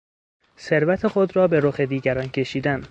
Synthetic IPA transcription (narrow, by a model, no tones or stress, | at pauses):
se̞ɾvæt̪ʰe̞xod̪rɒːbe̞ɾoxe̞d̪iːɡæɾɒːncʰe̞ʃiːd̪æn